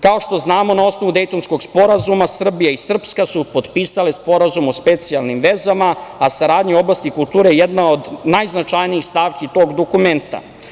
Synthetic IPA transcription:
kao̞ʃt̪o̞znaːmo̞nao̞sno̞ʋud̪e̞jt̪o̞nsko̞ɡspo̞ɾazumasr̩bijaisr̩pskasupo̞d̪piːsale̞spo̞ɾazumo̞spe̞t̪sijalnimʋezamaasaɾaːd̪ɲio̞blˠast̪ikult̪uːɾejejed̪nao̞d̪najznat͡ʃajniixst̪aːʋkit̪o̞ɡd̪o̞kume̞nt̪a̰

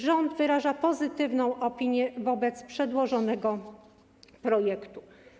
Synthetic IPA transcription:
ʐɔnd̪vɘɾaʐapɔzɘt̪ɘvnɔ̃w̃ʔɔpʲiɲjɛvɔbɛt̪spʂɛd̪wɔʐɔnɛɡɔ | pɾɔjɛkt̪u

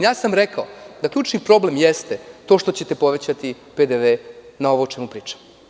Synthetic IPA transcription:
jaːsamɾekaod̪akʎʲuːt͡ʃnipɾo̞ble̞mjest̪et̪o̞ːʃt̪o̞t͡ɕe̞t̪epo̞ʋe̞t͡ɕat̪i | ped̪eʋe̞nao̞ʋoːt͡ʃemupɾiːt͡ʃḁ

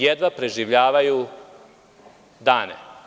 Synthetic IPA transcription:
jed̪ʋapɾeʒiʋʎaːʋaju | d̪aːnḛ

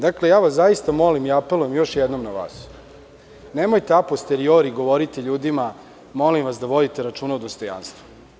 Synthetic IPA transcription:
d̪akle̞jaːʋaszajist̪amo̞limiapelˠuje̞mjo̞ʃjɛd̪nomnaʋa̰ːs | nemojt̪eapost̪eɾioɾiɡo̞ʋo̞ɾit̪eʎuːd̪ima | mo̞limʋasd̪aʋo̞d̪it̪e̞ɾat͡ʂuːnaud̪ost̪o̞ja̰nst̪ʋu̥

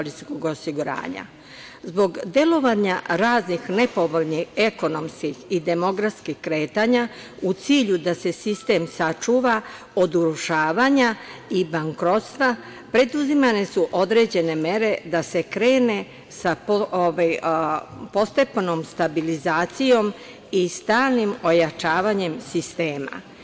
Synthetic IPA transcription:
oliskoɡo̞siɡuɾa̰ːɲa̰ | zbo̞ɡd̪e̞lo̞ʋaɲaɾaːznixne̞po̞ʋo̞ʎnihe̞ko̞no̞mskixid̪e̞mo̞ɡɾat̪skixkɾe̞ːt̪aːɲa | ut̪siːʎud̪ase̞sist̪e̞ːmsat͡ʃuːʋa | o̞d̪uɾuʃaːʋaɲaibaŋkɾo̞t̪st̪ʋa | pɾe̞d̪uzimane̞suʔo̞d̪ɾe̞d͡ʑe̞ne̞me̞ɾe̞d̪ase̞kɾe̞ːne̞ | saoʋaj | po̞st̪e̞pno̞ːmst̪abilizaːt̪sijo̞m | ist̪aːlnimo̞jat͡ʃaːʋaɲe̞msist̪e̞ːma̰

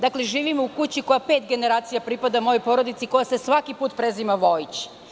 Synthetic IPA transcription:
d̪akle̞ʒiːʋimoukut͡ɕiko̞japeːt̪ɡe̞neɾaːt̪sijapɾipad̪amo̞jojpo̞ɾod̪it̪siko̞jasesʋakipuːt̪pɾezimaʋo̞jit͡ɕ

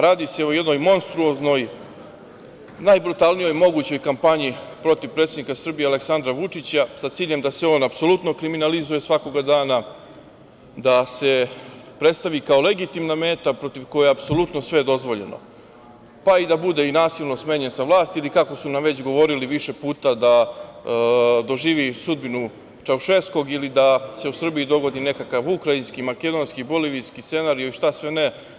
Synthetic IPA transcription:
ɾaːd̪ise̞ojed̪no̞jmo̞nst̪ɾuozno̞j | najbɾut̪alˠnijo̞jmo̞ɡut͡ɕo̞jkampaɲipɾo̞t̪iʋpɾet̪ed̪nikasr̩bijeale̞ksand̪ɾaʋut͡ʂit͡ɕasat̪siːʎemd̪aseo̞ːnapso̞lut̪no̞kɾiminalizuje̞sʋako̞ɡad̪aːna | d̪ase̞pɾe̞t̪st̪aʋikaole̞ɡit̪imname̞ːt̪apɾo̞t̪iʋko̞jeeapso̞lut̪no̞sʋe̞d̪o̞zʋo̞ʎe̞̰no̰ | paid̪abud̪e̞inaːsilˠno̞sme̞ːɲensaʋlˠaːst̪ilikako̞sunamʋe̞t͡ɕɡo̞ʋo̞ɾiliʋiʃe̞puːt̪ad̪a | d̪o̞ʒiːʋisud̪̚binu | t͡ʃauʃe̞sko̞ɡilid̪ase̞usr̩biid̪o̞ɡo̞d̪ine̞kakaʋukɾainskimaked̪o̞nskiboliʋiskisse̞naɾijoiʃt̪asʋene

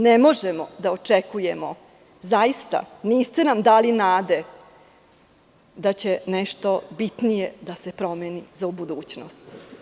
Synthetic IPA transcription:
nemo̞ʒemod̪aot͡ʃekujemo | zajist̪a̰niːst̪enamd̪aːlinaːd̪e̞ | d̪at͡ɕe̞neʃt̪o̞bit̪nijed̪ase̞pɾo̞menizaubud̪uːt͡ɕno̰st̪

